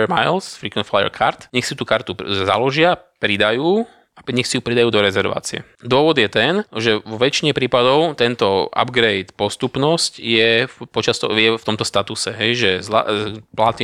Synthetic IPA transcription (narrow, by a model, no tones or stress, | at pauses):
majlsfɾikʋɛnflajɛ̰ɾkʰa̰ɾt̪ɲɛxsiut̪uːkaɾt̪uza̰lɔʒɪapɾid̪ajuː | aɲɛxsijupɾid̪ajuːd̪ɔɾɛzɛɾʋa̰ːt͡siɛ̰ | d̪ʊɔʋɔd̪jɛt̪ɛnʒɛʋɔʋɛt͡ʃiɲɛpɾiːpad̪ɔʊt̪ɛnt̪ɔa̰bɡɾɛjt̪pɔst̪upnɔscjɛpɔt͡ʃast̪ɔjɛft̪ɔmt̪ɔst̪at̪usɛɦɛjʒɛzla̰plat̪i